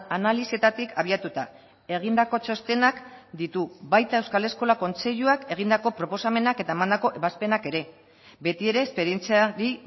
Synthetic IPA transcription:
analisie̞t̪at̪ikʰaβ̞iat̪ut̪a | e̞ɣ̞ind̪ako̞t͡ʃo̞st̪e̞nakd̪it̪uβajt̪ae̞wskale̞sko̞lako̞nt͡se̞ʎuake̞ɣ̞ind̪ako̞pɾo̞po̞same̞nake̞t̪aemand̪ako̞ʔeβaspe̞nake̞ɾe̞ | be̞t̪ie̞ɾe̞ːspe̞ɾient͡siaɾi

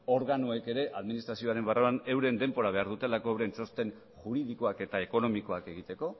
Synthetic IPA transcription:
o̞ɾɣanoe̞ke̞ɾe̞ʔaðminist̪ɾasio̞aɾe̞mbaroane̞wɾe̞nd̪e̞mbo̞ɾaβ̞e̞aɾðut̪e̞lako̞ewɾe̞nso̞st̪e̞n | ʝuɾiðiko̞ake̞t̪ae̞ko̞no̞miko̞ake̞ɣit̪e̞ko̞

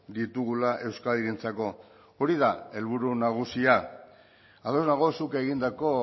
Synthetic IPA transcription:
d̪it̪uɣulaʔe̞wskaliɾent͡sako̞ | oɾiðae̞lβ̞uɾunaɣ̞usia | aðo̞znaɣo̞sukeɣind̪ako̞

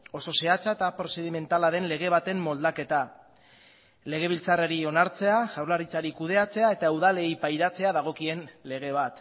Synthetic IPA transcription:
o̞so̞se̞at͡saet̪apɾo̞se̞ðime̞nt̪alaðe̞nle̞ɣ̞e̞β̞at̪e̞mːo̞ld̪ake̞t̪a | le̞ɣ̞e̞β̞ilt͡saraɾio̞naɾt͡se̞aʝawɾlaɾit͡saɾikuð̞e̞at͡se̞ae̞t̪auðale̞jpajɾat͡se̞aðaɣ̞o̞kie̞nle̞ɣ̞e̞β̞at̪

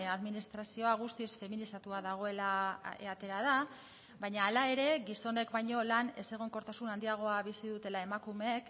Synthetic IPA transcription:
aðminist̪ɾasio̞aɣ̞ust̪isfe̞minisat̪uaðaɣ̞o̞e̞laḛat̪e̞ɾað̞a | bajɲaːlae̞ɾe̞ɣiso̞ne̞kbaɲo̞lane̞̰se̞ɣoŋko̞ɾt̪asunand̪iaɣ̞o̞aβisiðut̪e̞lae̞makumek

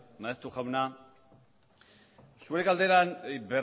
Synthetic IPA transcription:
maest̪uʝawna | suɾekald̪eɾanber

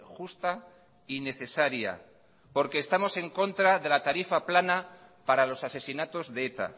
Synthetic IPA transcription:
xust̪a | ine̞θe̞saɾja̰ | po̞ɾke̞ːst̪amo̞se̞ŋko̞nt̪ɾaðe̞lat̪aɾifaplanapaɾalo̞sase̞sinat̪o̞zðeet̪a̰

